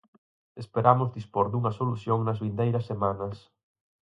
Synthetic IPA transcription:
espeɾamʊzðispoɾðuŋɐsoluθjoŋnɐzβind̪ejɾɐsːemanɐs

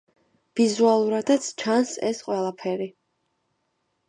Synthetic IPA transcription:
v̥izualˠuɾad̪at̪sʰt͡ʃʰansɛ̰sqʼwɛlˠapʰɛɾi

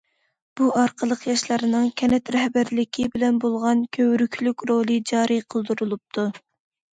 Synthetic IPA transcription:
b̥uɑɾqʰəlˠəqjɑʃlˠɑɾɨnɨŋkʲʰɛnɛt̪ɾɛhbæɾlɪkʲʰibɪlɛnbolˠʁɑnkʲʰøwɾykʲʰlykʲɾolˠɨd͡ʒɑːɾɨjqʰəlˠd̪uɾulˠup̚t̪ʰu

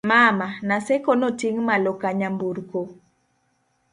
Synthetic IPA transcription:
mamanasɛkonotiŋmalokaɲambuɾko

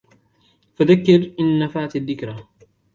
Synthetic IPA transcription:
faðakːɪɾʔɪnːafaʕt̪aðːɪkɾa

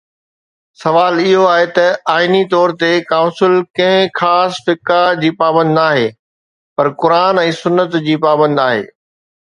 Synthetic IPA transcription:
sɐʋaːlɪɦoaːɦet̪ɐaːɪnit̪ɔːɾt̪ekãʊ̃nsɪlkɐ̃ɦɪ̃xaːsfɪkad͡ʑiːpaːbə̃nd̪aːɦeː | pɐɾkʊɾaːnɛ̃ːsʊnːət̪d͡ʑiːpaːbə̃nd̪aːɦḛː

